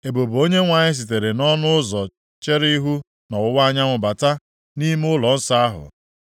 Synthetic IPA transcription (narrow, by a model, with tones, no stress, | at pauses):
e˨bo˨bo˦ɲe˦ŋʷa˨ɲɪ˦s̬i˨t̬e˨ɾe˨nɔ˦nʊ˦ʊ˦zɔ˨ | t͡ʃe˦ɾi˦ɦu˦ | na˨ʊ˦wa˦ɲa˦ŋʷʊ˨ba˨ta˦ | ni˦m˦ʊ˦lɔ˨n̩˦sa˦a˦ɦʊ̰˨